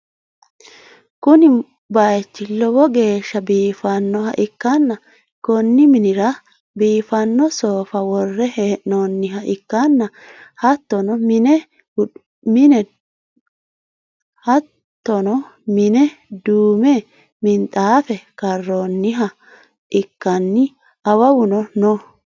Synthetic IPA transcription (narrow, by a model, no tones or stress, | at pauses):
kʊnɪ | bɐjɛt͡ʃːɪlɔbɔɡe̞ːʃːɐbiːfɐnːɔhɐʔɪkːɐnːɐ | kɔnːɪmɪnɪɾɐ | biːfɐnːɔsoːfɐwɔrːɛheːʔnɔnːɪɦɐʔɪkːɐnːɐ | hɐt̪ːɔnɔmɪnɛ | mɪnɛ | hɐt̪ːɔnɔmɪnɛd̪uːmɛ | mɪnt̪ʼaːfɛkɐrːonːɪɦɐ | ʔɪkːɐnːɪ | ɐwɐwʊnɔnɔ